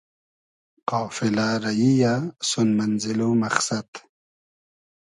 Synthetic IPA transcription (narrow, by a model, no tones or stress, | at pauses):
qaːfilaɾɐjijasunmɐnzilomɐχsɐt̪